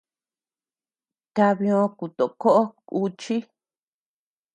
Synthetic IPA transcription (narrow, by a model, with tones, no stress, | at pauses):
ka˧βĩ˧õ˧ku˨t̪o˨˧ko˦ʔo˦ku˧t͡ʃi˦